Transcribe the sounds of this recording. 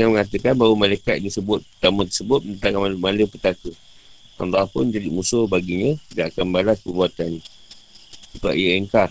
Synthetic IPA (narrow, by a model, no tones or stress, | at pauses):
əŋanməŋat̪̬əkanbawəmalajkat̪̚disəbʊt̪̚pət̪amə̃t̪əsəbʊt̪̚mənt̪akamalmaləpət̪akə | ʔa̰ndapʊnd͡ʒadimusʊhbaɡiɲə̃t̪idaʔakanbalaspərbuat̪anɲə | səkaʔjəɛŋkar